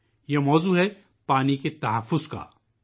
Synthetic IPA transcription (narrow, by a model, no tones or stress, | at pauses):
jemɔːzuɦɛ | paːniket̪ɐɦɐfːʊzka̰ː